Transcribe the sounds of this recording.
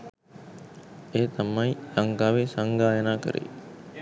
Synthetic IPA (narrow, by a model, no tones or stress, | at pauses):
eːt̪ɐmːɐjlɐŋɡaːʋesaŋɡaːjɐnaːkə̰ɾḛ